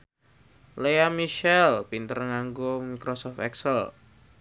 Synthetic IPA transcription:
leamiʃɛlpint̪ərŋaŋɡomikɾosɔft̪ɛksəl

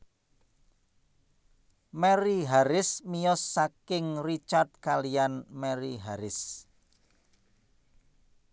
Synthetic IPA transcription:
mɛɾiɦaɾɪsmiɔsːakɪŋrit͡ʃart̪̚kalijanmɛɾiɦaɾɪs

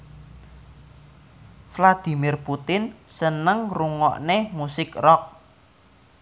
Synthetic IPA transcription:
flad̪̥i̤mɪrput̪ɪnsənəŋruŋɔʔnemusɪkrɔk̚

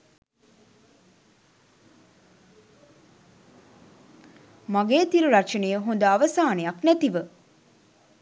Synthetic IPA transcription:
maɡeːt̪iɾuɾat͡ʃənejəɦond̪əaʋəsaːnejaknæt̪iʋə

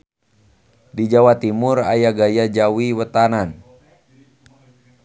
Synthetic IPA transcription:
did͡ʒawat̪imura̰jaɡajad͡ʒawiwət̪anan

